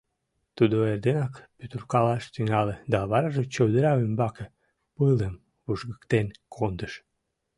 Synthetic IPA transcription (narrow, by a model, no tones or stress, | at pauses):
t̪ud̪oerd̪enɑkpyt̪urkɑlɑʃt̪yŋɑled̪ɑβɑɾɑʒet͡ɕəwd̪əɾɑwymbɑke | pələm | vuʒɣəkt̪enkʰond̪əʃ